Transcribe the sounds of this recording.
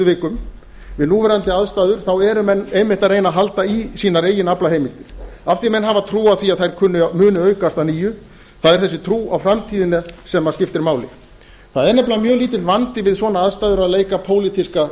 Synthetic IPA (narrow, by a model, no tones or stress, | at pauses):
ʏvɪːkʏm | vɪðnuːvɛːɾant̪ɪaðst̪aːðʏɾ̥θawɛɾʏmɛnːejmɪ̥t̪aɾejnaɦalt̪aisiːnaɾeːjɪnaplahɦejmɪl̥t̪ɪɾ̥afθimɛnːɦavat̪ʰɾuːaðθiaðθajɾ̥kʰʏnːʏmʏːnʏœːɥkast̪aniːjʏ | θaðɛɾ̥θɛsɪt̪ʰɾuːawfɾamt̪ʰiːðɪnasɛmːascɪft̪ɪɾmaːwlɪ̰ | θaðɛɾnɛplamjœːɣliːt̪ɪlvant̪ɪvɪðsvɔːnaaðst̪aːðʏɾaðleːjkapʰoːwlit̪iska